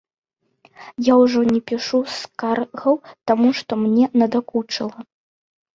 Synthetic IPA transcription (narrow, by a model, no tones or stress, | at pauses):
jawʐɔnʲɛpʲiʂuskarɣɐwt̪amuʂt̪ɔmnʲɛnɐd̪akut͡ʂɐlˠɐ